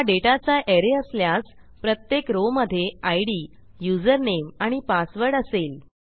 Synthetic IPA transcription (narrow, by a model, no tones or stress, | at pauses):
jaɖeʈat͡saʔeɾeəsljat͡spɾət̪jekɾoməd̪ʱːjeajɽi | jud͡zəɾnemaɽ̃ipasʋəɾɖəseːl